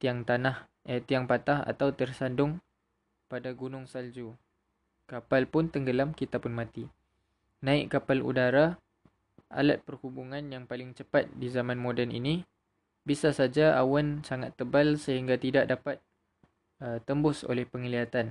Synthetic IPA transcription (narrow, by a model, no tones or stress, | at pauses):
t̪iaŋt̪anah | ət̪iaŋpat̪aha̰t̪awt̪ərsandʊŋ | padaɡunʊŋsald͡ʒu | kapalpʊnt̪əŋɡəlamkit̪apʊnmãt̪i | nãɪʔkapalṵdaɾa | a̰lat̪̚pərhubuŋãnjaŋpalɪŋt͡ʃəpat̪̚dizamãnmõdɛnḭni | bisasad͡ʒaawansaŋat̪ːəbalsəɦiŋɡat̪idaʔdapat̪̚ | ət̪əmbʊso̰lɛhpəŋəliat̪an